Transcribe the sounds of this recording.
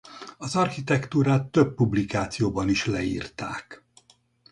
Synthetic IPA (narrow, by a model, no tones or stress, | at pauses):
ɒzɒrxit̪ɛkt̪uːɾaːt̪ːøpːublikaːt̪sijoːbɒniʃlɛḭːrt̪a̰ːk